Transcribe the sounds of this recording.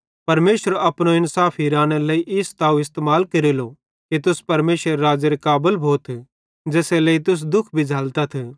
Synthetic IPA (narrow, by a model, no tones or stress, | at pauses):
pɐɾmeːʃəɾɐpɽ̃õɪnsaːpʰiɾaːɽ̃elɐiʔɪst̪aːuɪst̪eːmaːlkɐɾilo | kit̪ʊspɐɾmeːsəɾeɾaːd͡ʒeɾekaːbəlbʱoːt̪ʰ | d͡ʒɛːselɐit̪̬ʊs̬d̪ʊkʰbʱid͡ʒʱaːlt̪at̪ʰe